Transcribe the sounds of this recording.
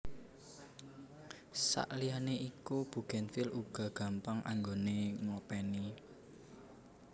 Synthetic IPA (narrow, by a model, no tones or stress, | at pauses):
sa̰ʔlianeikub̥ṳɡ̥ɛnfiluɡ̥a̤ɡ̥a̤mpaŋʔa̰ŋɡoneŋopɛni